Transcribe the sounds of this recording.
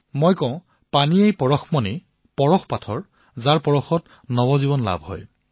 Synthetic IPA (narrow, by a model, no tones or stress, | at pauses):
mojkɔ̃ʊ̃ | paniejpɔɹɔxmɔne | pɔɹɔxpatʰɔɹ | zaɹpɔɹɔxɔt | nɔbɔzibɔnla̰bʱɦɔ̰j